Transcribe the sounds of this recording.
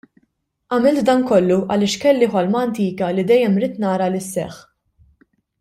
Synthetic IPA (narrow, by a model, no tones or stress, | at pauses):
ʔɐmɪlt̪d̪ɐnkɔlːuʔɐlɪːʃkɛlːiħɔlmɐːnt̪iːkɐlid̪ɛjːɛmɾiːt̪nɐːɾɐlɪsːɛ̰ħ